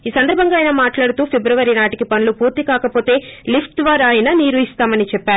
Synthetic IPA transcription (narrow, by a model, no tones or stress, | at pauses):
iːsɐnd̪ɐɾbʱɐŋɡaːjnɐmaːʈlaːɽut̪uːpʰebɾɐʋɐɾinaːʈikipɐnlupuːɾt̪ikaːkɐpo̞ːt̪e̞ːlipʰʈʋaːɾaːjɐnɐniːɾuist̪aːmɐnit͡ʃɛpːaːɾu